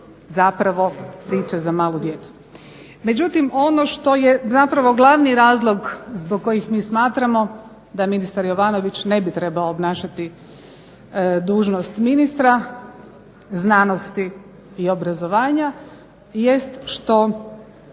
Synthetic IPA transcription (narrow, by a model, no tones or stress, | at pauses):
zapɾaʋo̞pɾiːt͡ʃazamaːlud̪je̞t̪su̥ | me̞d͡ʒut̪imo̞noʃt̪o̞jezapɾaʋo̞ɡlˠaʋniɾaːzlˠo̞ɡzboɡ̚ko̞jixmiːsmaːt̪ɾamo̞ | d̪aminist̪aɾjo̞ʋaːno̞ʋit͡ʃne̞bit̪ɾe̞baoːbnaːʃat̪i | d̪uːʒnost̪minist̪ɾa | znaːno̞st̪iː | o̞bɾazo̞ʋaːɲa | je̞st̪ʃt̪o̞